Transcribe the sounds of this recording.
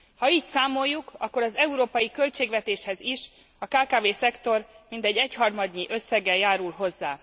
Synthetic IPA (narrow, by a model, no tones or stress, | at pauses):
hɒiːcsaːmo̞jːukɒkːo̞ɾɒzɛuɾoːpɒjikø̞lt͡ʃeːɡʋvɛt̪eːʃhɛziʃ | ɒkaːkaːveːsɛkt̪o̞rmint̪ɛɟːɛchɒrmɒd̪ɲiʔø̞sːɛɡɛjaːɾulɦo̞zːaː